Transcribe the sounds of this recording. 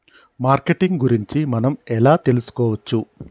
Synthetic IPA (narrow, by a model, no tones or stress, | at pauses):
maːɾkeʈiŋɡɡuɾiɲt͡ʃimɐnɐmɛlaːt̪e̞lusu̥kɔːʋɐt͡ʃːu